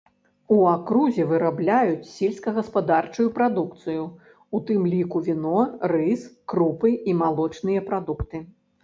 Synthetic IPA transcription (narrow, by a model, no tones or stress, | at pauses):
uakɾuzʲɛvɨɾablʲajut͡sʲsʲelʲskɐɣɐspad̪art͡ʂujupɾad̪ukt̪sɨju | ut̪ɨmlʲikuvʲinɔrɨskɾupɨimalˠɔt͡ʂnɨjɐpɾad̪ukt̪ɨ